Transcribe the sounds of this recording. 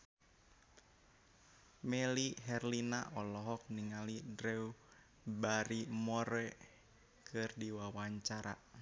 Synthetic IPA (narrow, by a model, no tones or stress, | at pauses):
meliɦɛrlina̰ʔɔlɔɦɔk̚niŋalidɾɛu | baɾimɔɾɛ | kʰɨrdiwawaɲt͡ʃaɾa̰